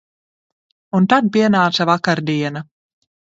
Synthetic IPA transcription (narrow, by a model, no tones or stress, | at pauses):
unt̪ad̪̚piɛnaːt̪savakaɾd̪iɛna